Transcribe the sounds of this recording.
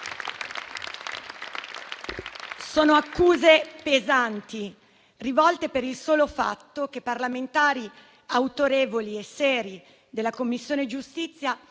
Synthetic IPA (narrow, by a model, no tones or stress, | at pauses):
soːnoakːuːzepezant̪i | rivɔlt̪epeɾilsoːlofa̰t̪ːok̟epːarlament̪aːɾi | awt̪oɾeːvoliesːɛːɾi | d̪elːakomːisːjoːned͡ʒust̪it̪sːja